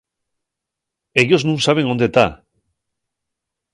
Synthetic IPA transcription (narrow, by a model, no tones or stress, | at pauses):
eʝoznũnsaβ̞e̞ŋo̞nd̪e̞t̪a